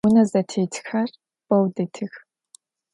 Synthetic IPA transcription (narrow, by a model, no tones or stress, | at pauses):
ʊnɐzɐtʰeːtʰxɐr | b̥ɐwdɨtʰɨx